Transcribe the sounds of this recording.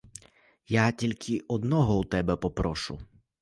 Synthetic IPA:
jatʲilʲkʰɪʔɔd̪nɔɦɔut̪ɛbɛpɔpɾɔʃʊ̰

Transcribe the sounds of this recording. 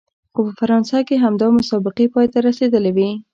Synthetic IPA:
xopəfaɾɑnsakeɦamd̪ɑmʊsɑbɪqepɑjt̪aɾased̪əlewi

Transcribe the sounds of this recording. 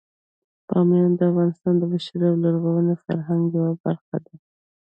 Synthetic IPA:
pɑ̰mjɑnd̪əafɣɑnɪst̪ɑnd̪əbaʃaɾiawloɾɣowənefa̰ɾɦaŋɡjawabaɾxa̰d̪a

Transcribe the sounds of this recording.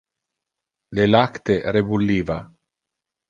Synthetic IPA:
lelakt̪eɾebulːiːva

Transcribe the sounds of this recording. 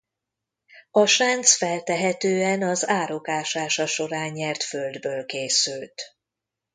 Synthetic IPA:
ɒʃaːnt̪sfɛlt̪ɛɦɛt̪øːɛnɒzaːɾo̞kaːʃaːʃɒʃo̞ɾaːɲːɛrt̪føld̪bøːlkeːsylt̪

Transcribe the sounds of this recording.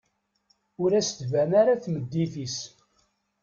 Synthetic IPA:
ʊɾæst̪vænaɾaθməd̪ːiθis

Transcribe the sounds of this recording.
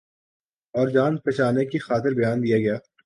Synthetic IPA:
ɔːɾd͡ʒaːnpɛːt͡ʃaːnekixaːt̪ɪɾbɐjaːnd̪ijaɡɐjaː

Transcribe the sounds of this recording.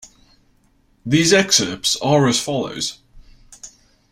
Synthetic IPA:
ðiːzɛksəpsəɹəz̥fɒlə̰ʊz̥

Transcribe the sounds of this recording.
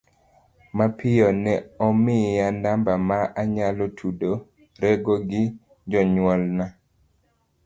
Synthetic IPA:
mapʰɪjɔnɛɔmɪjandambamaaɲalɔtʰudo | ɾɛɡoɡɪ | d͡ʒɔɲwɔlna

